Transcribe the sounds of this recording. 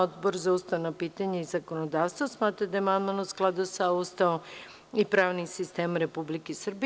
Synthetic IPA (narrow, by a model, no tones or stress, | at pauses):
od̪boɾzaust̪aonapiːt̪aɲeizakonod̪aːʋst̪ʋosmaːt̪ɾad̪ajemand̪manosklˠad̪usaust̪ao | ipɾaːʋnisist̪eːmɾe̞publikesr̩bi